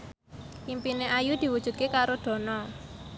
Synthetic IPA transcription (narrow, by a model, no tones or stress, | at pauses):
impineʔajud̪̥i̤wud̥ʒ̥ṳt̪̚kekaɾod̪̥ɔ̤nɔ